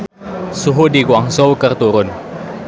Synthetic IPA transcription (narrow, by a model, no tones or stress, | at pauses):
suɦudikwaŋsowkərt̪uɾʊn